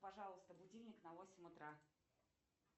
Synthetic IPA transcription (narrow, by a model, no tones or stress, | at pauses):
pɐʐɑlˠəst̪əbʊdʲilʲnʲɪknɐvosʲɪmʲʊt̪ɾa